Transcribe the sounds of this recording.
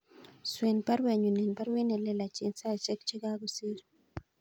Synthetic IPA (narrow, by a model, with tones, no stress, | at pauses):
swe˨npa˦ɾwe˨ɲu˨ne˨npa˦ɾwi˦ne˨le˨la˨t͡ʃi˨nsa˦˨t͡ʃe˦kt͡ʃe˦ɡa˦ɡo˨si˦ɾ